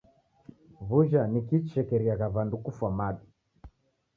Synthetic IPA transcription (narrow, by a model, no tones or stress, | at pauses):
βuʒanikit͡ʃɛkɛɾiaɣaβandukufwamaɗi